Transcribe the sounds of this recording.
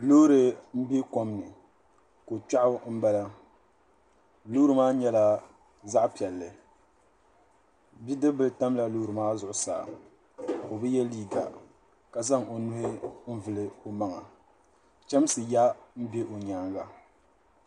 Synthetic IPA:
loː˦ɾɨ˨m̩˦be˦ko˦mnɨ˨ | ko˨t͡ʃa˦ʔʊ˦m̩˦ba˦la˦ | lu˦ɾɨ˨maː˦ɲɛ˦la˦ | za˦ʔpi˨ɛ˨lːɨ˨ | bi˦dɨ˦bɨ˨lta˦mla˨loː˦ɾɨ˨maː˦zʊ˨ʔʊ˨˦sa̰ː˨ | o˨bɨ˦jɛ˦liː˦ɡa̰˨ | ka˨za˦ŋo˨nʊ˦hɪ˦m̩˦vɨ˨lɨ˦o˨ma˦ŋa˨ | t͡ʃɛ˦m˦sɨ˨ja˦m̩˦be˦ʔo˨ɲaː˦ŋɡa˨

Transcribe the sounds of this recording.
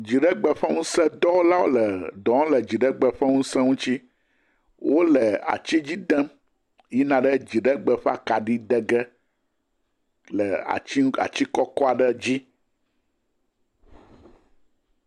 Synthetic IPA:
d͡ʑi˨ɖɛ˦ɡ͡bɛ˨ɸɛ˦ŋũ˦sɛ˦d̪ɔ˦wo˦la˦wo˦lɛ˨d̪ɔ̃˨˦ŋ̃˦lɛ˨d͡ʑi˨ɖɛ˦ɡ͡bɛ˨ɸɛ˦ŋũ˦sɛ̃˦ŋũ˦t͡ɕi˦ | wo˦lɛ˨a̰˨t͡ɕi˦d͡ʑi˦d̪ɛ̃˦m | ji˦nã˨ɖə˦d͡ʑi˨ɖɛ˦ɡ͡bɛ˨ɸa̰˨ka˨ɖi˦d̪ɛ˦ɡɛ˦ | lɛ˨a̰˨t͡ɕi˦a̰˨t͡ɕi˦kɔ˦kɔ˦a˨ɖɛ˦d͡ʑi˦

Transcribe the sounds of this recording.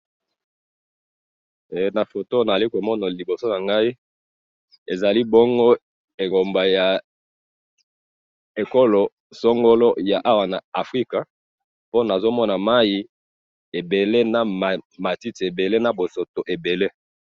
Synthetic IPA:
e˨na˨fo˨to˦na˨a˨i˦ko˨mɔ˦na˨li˨bo˨so˦na˨ŋɡa˦i˦ | e˨za˨li˦bɔ˦ŋɡo˦ | e˨ɡo˨mba˨ja˨ | e˨ko˦lo˨ | so˦ŋɡo˦lo˦ja˨ʔa˦wa˨na˨a˨fʁi˦ka˨ | po˦na˨zo˦mɔ˦na˨ma˦ji˨ | e˨be˨le˦na˨m˨ma˨ti˦ti˨e˨be˨le˦na˨bo˨so˨to˨ʔe˨be˨le˦

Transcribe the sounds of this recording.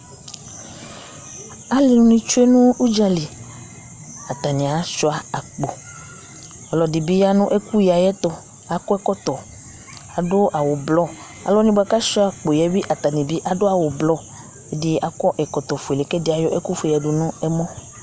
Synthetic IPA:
a˦li˨nũ˦nĩ˦t͡ʃu˦e˦nũ˦u˦d͡ʒa˦li˨ | a˨t̪a˨nĩ˨a˨ʃɔ˦a˨a˨k͡po˨ | ɔ˨lɔ˨di˨bi˦ja˦nũ˦ʔe˦ku˦ji˨a˨jɛ˦t̪ɔ˦ | a˨kɔ˦ɛ˦kɔ˦t̪ɔ˨ | a˨do˦ʔa˨wo˨blɔ˦ | a̰˨lɔ˦nĩ˦bo˦a˦ka˦ʃɔ˦a˨k͡po˨jɛ˦bi˦ʔa˨t̪a˨nĩ˨bi˦ʔa˨ɖo˦a˨wo˨blɔ˦ | e˦di˦a˨kɔ˦ʔɛ˨kɔ˨t̪ɔ˨fu˨e˨le˨ke˦di˦a˨jɔ˦ʔe˦ku˦fja˨ɖu˨nũ˦ɛ˦mɔ̃˦

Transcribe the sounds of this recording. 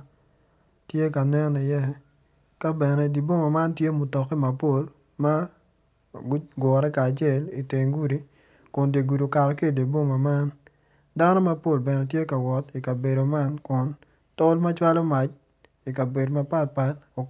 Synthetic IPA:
tje˦ka˨nɛ˦ni˨jɛ˦ | ka˦bɛ˨nɛ˦di˨bo˦ma˨ma˦ntje˦mʊ˨tɔ˨ki˦ma˨po˦l | ma˦ | ɡʊ˦ɡwɔ˨ɾɛ˦kaː˨t͡ʃe˦˨li˨te˨ŋɡu˦ɾi˦ | kʊ˨nde˨ɡu˨ɾo˨ka˨ɾɔ˨ki˦˨di˨bo˦ma˨ma˦n | da˦no˦ma˦po˦˨lbɛ˨nɛ˨tje˦ka˨wɔ˨ti˨ka˨be˨ɾo˨ma˦nkʊ˨n | to˦lma˦t͡ʃwa˦lo˦ma˨t͡ʃ | i˨ka˨be˨do˨ma˦pa˦˨tpa˦to˨

